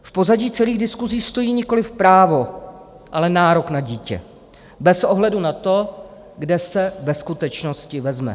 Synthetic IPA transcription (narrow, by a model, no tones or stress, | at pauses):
fpo̞zaɟiːt͡sɛliːɣdɪskuziːst̪o̞jiːɲɪko̞lɪfpɾaːvo̞ | ʔalɛnaːɾo̞knaɟiːcɛ̰ | bɛsʔo̞ɦlɛdunat̪o̞ | ɡdɛsɛbɛskut̪ɛt͡ʃno̞scɪvɛzmɛ̰